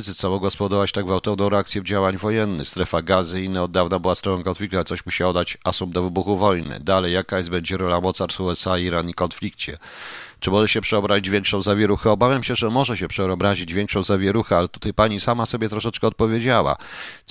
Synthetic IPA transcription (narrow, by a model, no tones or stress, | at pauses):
zɘt̪samɔɡwaspɔd̪ɔvat͡ɕt̪aɡvawt̪ɔvnɔ̃w̃ɾɛakt̪sʲjɛvd͡ʑawaɲvɔjɛnːɘ̰xst̪ɾɛfaɡazɘinaɔd̪ːavnabɘwast̪ɾɛfɔ̃kɔnflʲik̚t̪alɛt̪sɔɕmuɕiɔd̪at͡ɕasumd̪ɔvɘbuxuvɔjnɘ̰d̪alɛjːakajɛsz̚bɛɲd͡ʑɛɾɔlamɔt̪saɾsuɛsaiɾanikɔnflʲikt͡ɕɛ | t͡ʂɘmɔʐɛɕɛpʂɛɔbɾaʑid͡ʑvʲɛŋkʂɔ̃w̃zavʲjɛɾuxɛɔbavʲjamɕɛʐɛmɔʐɛɕɛpʂɛɔbɾaʑid͡ʑvʲjɛŋkʂɔ̃w̃zavʲjɛɾuxɛalɛt̪u̥t̪ajpaɲisamasɔbʲjɛt̪ɾɔʂɛt͡ʂkɛɔt̪̚pɔvʲjed͡ʑawa̰